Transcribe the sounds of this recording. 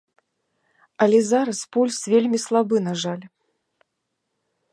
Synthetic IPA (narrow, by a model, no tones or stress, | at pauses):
ɐlʲɛzaɾɐspulʲsvʲelʲmʲislˠabɨnaʐalʲ